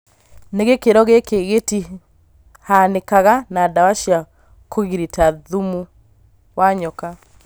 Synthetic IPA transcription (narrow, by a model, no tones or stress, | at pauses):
neɣekeɾɔɣekeɣeti | hanekaɣanadawaʃja | koɣiɾitaðumu | waɲɔka